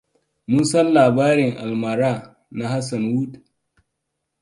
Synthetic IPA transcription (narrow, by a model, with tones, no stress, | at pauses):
mʊ˦nsɐ˦nlaː˨baː˦ɾɪ˨ŋʔa˨lma˨ɾaː˦˨ | na˦ha˦s̬a˨nwu˦d